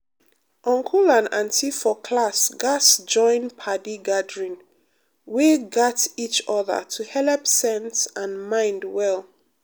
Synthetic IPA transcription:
ʔɔ̃ŋkʰulãnãntʰifɔkʰlasɡasd͡ʒɔ̃ɪ̃npʰadiɡadɹĩn | weɡatit͡ʃɔðə̰tʰuhɛlɛpsɛ̃nsãnmãɪ̃ndwɛlˠ

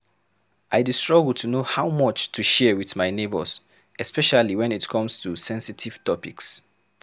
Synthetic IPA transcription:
ʔaɪdistɹ̥ɔɡl̩ˠtʰunohaʊmɔt͡ʃtʰuʃɛwiðmaɪnebə̰z | ɛspɛʃaliwɛ̃nitkʰɔ̃mstʰusɛ̃nsitʰiv̥tɔpiks

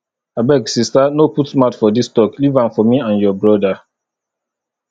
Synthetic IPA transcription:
abɛɡsistanoputsmatfɔdistɔklivãnfɔmiãnjɔbɹɔda

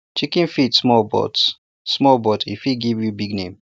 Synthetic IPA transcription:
t͡ʃikĩnfitsmɔlbɔ̰ts | smɔlbɔtʰifiɡivjubiɡnẽm

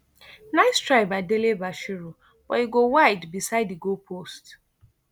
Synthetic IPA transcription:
naɪstɹaɪbaɪdelebaʃiɹu | b̥ɔ̰iɡowaɪdbisaɪdiɡopʰost

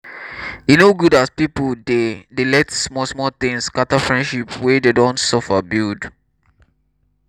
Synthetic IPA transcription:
inoɡudaspipəldedelɛtsmɔsmɔt̪ɪ̃ŋskatafɹɛ̃ndʃipwɛdedɔ̃ntsɔfəbild

